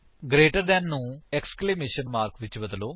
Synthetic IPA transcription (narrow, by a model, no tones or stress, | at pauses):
ɡɾeːʈəɾd̪ɛːnːũːɛkskleːmeːʃənmaːɾkʋɪt͡ʃbəd̪əloː